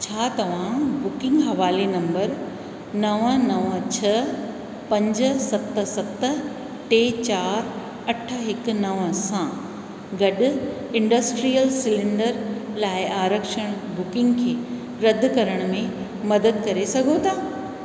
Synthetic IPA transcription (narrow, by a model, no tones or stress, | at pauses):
t͡ɕʰaːt̪ɐʋ̤ãbʊkɪ̃ŋɡɦɐʋaːlenɐ̃mbəɾ | nɐʋənɐʋət͡ɕʰɐ | pɐ̃ɲd͡ʑ̆sɐt̪̆sɐt̪ | ʈeːt͡ɕaːɾ | ɐʈʰə̆ɦɪkʊ̆nɐʋəsã | ɡɐɗʊ̆ | ɪ̃ɳɖɐsʈɾijəlsɪlɪ̃ɳɖəɾlaːɪʔaːɾəkʃəɽ̃ | bʊkɪ̃ŋɡkʰeː | ɾɐd̪ʱʊ̆kɐɾəɽ̃mẽ | mɐd̪əd̪̚kɐɾesɐɡʱot̪ʰaː